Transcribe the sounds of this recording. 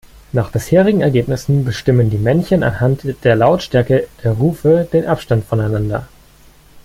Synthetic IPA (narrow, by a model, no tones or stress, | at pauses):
naːχb̥ɪsheːʁ̞ɪɡŋ̩ɛɐɡeːpnɪsn̩bəʃtɪməndiːmɛnçəna̰nhantd̥eːɐlaʊtʃtɛɐkəd̥eːɐʁuːfəd̥eːnʔapʃtantfɔnaɪnandɐ̰